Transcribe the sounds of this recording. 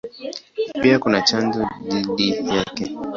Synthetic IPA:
piakunat͡ʃand͡ʒɔðiɗijakɛ

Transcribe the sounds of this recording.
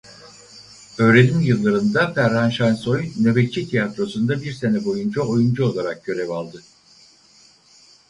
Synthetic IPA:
ø̞ːɾe̞nimjɯlˠːaɾɯnd̪afæɾhanʃanso̞jne̞vet͡ʃʰit̪ʰijat̪ɾo̞sund̪abiɾse̞nɛbo̞jund͡ʒao̞jund͡ʒuo̞lˠaɾak̚ɟ̥ø̞ɾevalˠd̪ɯ

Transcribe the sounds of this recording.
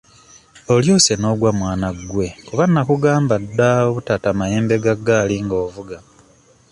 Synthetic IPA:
o̞ljo̞ːse̞no̞ːɡwamwaːnaɡːwe̞kuβanːakuɡaːmbadːaoβutatamajeːmbe̞ɡaɡaːliŋɡoːvuɡa

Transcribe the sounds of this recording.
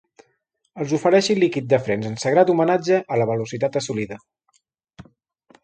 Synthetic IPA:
əlˠzufəɾɛʃilikit̪̚d̪əfɾɛnzənsəɣɾat̪umənad͡ʒəʔːləβəlusit̪at̪əsuliðə

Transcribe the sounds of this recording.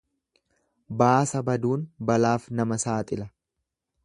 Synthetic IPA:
baːsɐbɐd̪uːnbɐlaːfnɐmɐsaːt̪ʼɪlɐ

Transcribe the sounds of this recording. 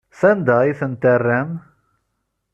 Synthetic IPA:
θænd̪æiθənt̪ærːæm

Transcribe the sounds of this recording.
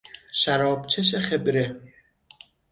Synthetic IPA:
ʃæɾɒːbt͡ʃʰeʃeχebɾe

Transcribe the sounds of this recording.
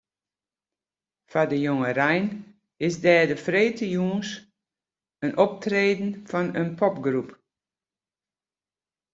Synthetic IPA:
fadəjoŋərɛjn | ɪsdɛːdəfreːtʰəjuːns | ənʔɔp̚treːdn̩fɔnənpʰɔpɡrup

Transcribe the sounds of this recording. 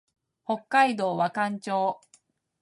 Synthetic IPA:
ho̞kːaid̪o̞ːβakãɲt͡ɕoː

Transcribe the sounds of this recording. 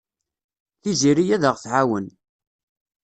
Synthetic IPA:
θiziɾijæðəʁθʕawən

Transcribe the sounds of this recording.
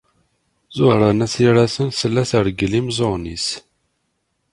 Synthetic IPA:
zʊhɾˤanæsiɾæsənθəlːæsəɾɡəlimzˤonis

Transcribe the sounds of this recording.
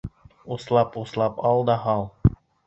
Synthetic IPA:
uslˠɑpuslˠɑpɑlˠd̪ɑɦɑlˠ

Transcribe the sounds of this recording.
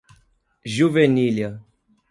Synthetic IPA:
ʒuveniljɐ

